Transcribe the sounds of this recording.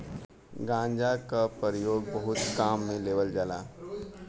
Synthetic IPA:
ɡãːɲd͡ʒakapəɾijoːɡbəɦʊt̪kaːmːẽleːʋəld͡ʒala̰ː

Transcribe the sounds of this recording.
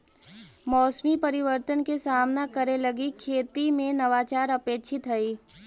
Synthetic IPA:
mɔːsmipɐɾɪʋəɾt̪ənkesaːmnakəɾelɐɡikʰeːt̪imẽnɐʋaːt͡ʃaːɾɐpeːkʃʰɪt̪ɦɐiː

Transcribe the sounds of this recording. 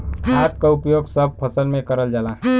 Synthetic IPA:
kʰat̪̚kaupjoɡsəb̚pʰəsəlmẽkəɾəld͡ʒala

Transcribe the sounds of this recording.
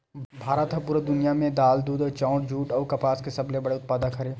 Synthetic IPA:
bʱaːɾət̪ʰɐpuːɾad̪ʊnijamẽd̪aːld̪uːd̪ɔːt͡ʃɔ̃ːʊʈd͡ʒʱuːʈɔːɾkɐpaːskesɐblebɐɽeʊt̪̚paːd̪akʰɐɾeː

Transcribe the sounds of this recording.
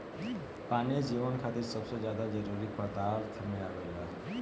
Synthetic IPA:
panid͡ʒiβənkʰat̪iɾsəbsed͡ʒjad̪ad͡ʒəɾuɾikbad̪aɾkʰəmiɾaɡəjɦɔ

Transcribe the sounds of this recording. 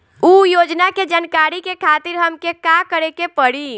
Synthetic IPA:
ujod͡ʒnaked͡ʒankaɾikekʰat̪iɾɦəmkekakəɾekepəɽi

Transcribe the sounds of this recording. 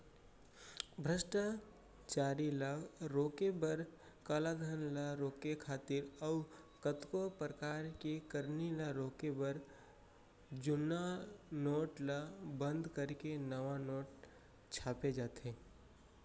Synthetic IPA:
bʱɾəʃʈa | t͡ʃaːɾilaɾoːkebəɾ | kalaɡ̪ʱənlaɾoːkekʰaːt̪ɪɾɔʊ | kət̪kopɾəkaːɾkekəɾnilaɾoːkebəɾ | d͡ʒʊnanoːʈlabə̃nd̪kəɾkenəʋanoːʈ | t͡ʃʰaːped͡ʒaːt̪eː

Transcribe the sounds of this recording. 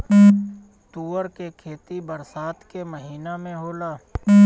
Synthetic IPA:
t̪uːəɾkekʰeːt̪ibəɾsaːt̪keməɦiːnamẽɦoːlaː

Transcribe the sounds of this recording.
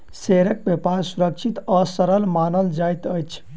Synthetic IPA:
seɾək̚bjəpaɾsuɾək̚t͡ʃʰit̪ɔsəɾəlmanəld͡ʒajt̪əjt͡ʃʰ

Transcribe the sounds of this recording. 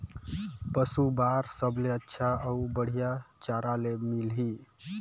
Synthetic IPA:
pəsubaɾsəbleətːʃʰaəubəɽ̤ijat͡ʃaɾalemilɦi

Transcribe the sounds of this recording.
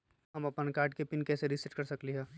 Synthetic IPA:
ɦɐmɐpənkaːɾʈkepɪnkɛːseɾɪsɪʈkɐɾsɐkliɦɛː

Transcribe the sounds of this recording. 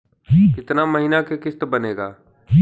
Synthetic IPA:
kɪt̪namɐɦinakekɪst̪bɐneːɡaː

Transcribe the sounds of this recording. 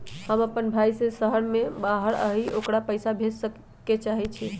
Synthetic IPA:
həməpənbʱajsesəɦəɽmebaɦəɾə̰ɦiʔokɽapəjsabʱessə | et͡ʃaɦit͡ʃʰi

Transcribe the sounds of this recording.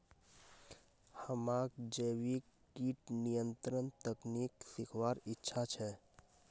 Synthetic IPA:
həmakd͡ʒəwikːiʈnijənt̪ɾənt̪əkniksikʰʋaɾitːʃʰat͡ʃʰɛ

